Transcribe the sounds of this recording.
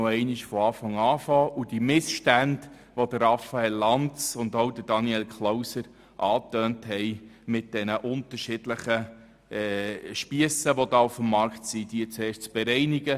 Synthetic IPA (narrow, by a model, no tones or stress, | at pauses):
oɛɪniʃfɔɑːfɑŋɑːfɑːʔudimɪsʃtænd | ʋod̥əɾɑfɑɛlːɑnt͡sʊndowd̪ədɑniɛlkχlowsəɾ | ʔɑːtøːnthɛɪmɪt̚d̥ɛnəʔʊntəɾʃɪd̥ləχə | ɛʃpiəsəʋodɑːufəmːɑɾktsidiət͡sɛːʃt͡sb̥ɛɾɛɪniɡə